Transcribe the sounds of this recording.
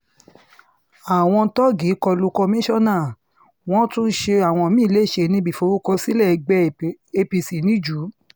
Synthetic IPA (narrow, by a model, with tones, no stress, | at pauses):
a˨w̃ɔ̃˧tɔ˦ɡi˨˦kɔ˧lu˧kɔ˧mĩ˦ʃɔ˦nãː˦˨ | w̃ɔ̃˦tũ˦n̩˦ʃe˧a˨w̃ɔ̃˧˨mĩ˦˨le˦˨ʃe˧nĩ˧˦bi˦˨fo˨˧wu˦kɔ˧si˦lɛ˦˨˧ɡ͡bɛ˦e˧pi˧si˨˦nĩ˨˦d͡ʒu˨˦